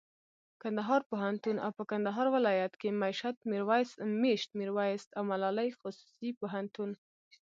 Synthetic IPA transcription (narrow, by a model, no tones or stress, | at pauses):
kand̪aɦɑɾpoɦant̪una̰wpəkand̪aɦɑɾwɪlɑjat̪kemaiʃat̪miɾwajsmeʃt̪̚miɾwɑjst̪awmalɑlajxʊsu̥sipoɦant̪un